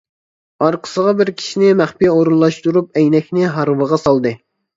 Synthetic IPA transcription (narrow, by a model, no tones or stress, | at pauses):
ɑɾqʰə̥səʁɑbɪɾkʲʰi̥ʃinɪmæχpijɛoɾunlˠɑʃt̪uɾup̚ɛjnɛkʲnɪɦɑɾwəʁɑsɑlˠd̪ɨ